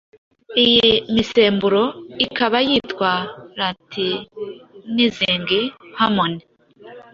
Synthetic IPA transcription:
ijimise̞ːmbuɾo̞ikaβajiːtkwaɾatʰi | niziːŋɡihamone

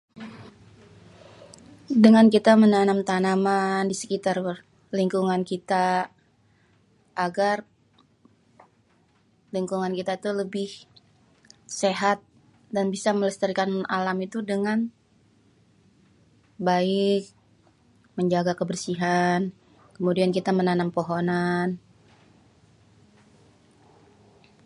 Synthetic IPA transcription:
dəŋankit̪amənanamt̪anamandisə̥kit̪ar | liŋkuŋankit̪a | ʔːɡar | liŋkuŋankit̪ait̪uləbɪh | seɦat̪̚ | danbisamələst̪əɾikanalamit̪udəŋan | baɪk̚ | məɲd͡ʒaɡakəbərsiɦan | kəmudiankit̪amənanampoɦonan

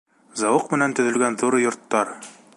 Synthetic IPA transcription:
zɑwɤqmɘ̆nænt̪ɵ̆ðɵ̆lɡænðuɾɤjŏɾt̪ːɑɾ

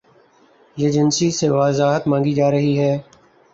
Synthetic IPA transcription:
jeːd͡ʒɪnsiːseːʋaːzaːɦət̪mãːŋɡiːd͡ʒaːɾəɦiːɦɛː

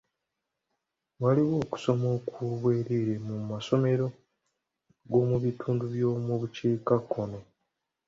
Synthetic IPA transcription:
waliwo̞ːku̥so̞moːkʰuβwe̞ːɾeɾe̞mumaso̞me̞ɾo̞ | ɡo̞ːmuβituːnduβjo̞ːmuβut͡ʃeːkakʰːono

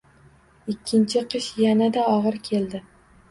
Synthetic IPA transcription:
ɪkʲʰːɪnt͡ʃʰɪqʰɨʃjanad̪aɒʁɨɾkʲʰe̞ld̪ɪ

